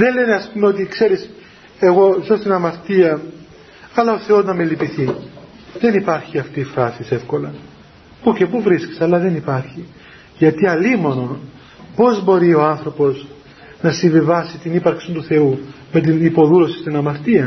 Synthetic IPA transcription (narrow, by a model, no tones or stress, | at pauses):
ðe̞nle̞neɐspumeot̪ikse̞ɾis | e̞ɣo̞zost̪inɐmɐɾt̪iɐ | ɐlɐo̞θe̞o̞znɐmelipiθi | ðe̞nipɐɾçiɐft̪iːfɾɐsise̞fko̞lɐ | puce̞puvɾisci̥sɐlːɐðe̞nipɐɾçi | ʝɐt̪iɐlimo̞no̞n | po̞zbo̞ɾio̞ɐnθɾo̞po̞z | nɐsiɱvivɐsit̪inipɐɾksint̪uθe̞u | met̪̬inipo̞ðulo̞sist̪inɐmɐɾt̪iɐ